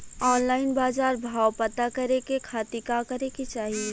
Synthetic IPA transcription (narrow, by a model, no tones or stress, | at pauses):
ɔːnlaːɪnbaːzaːɾbʱaːwpət̪akɐɾekekʰaːt̪ikakɐɾeket͡ʃaːɦie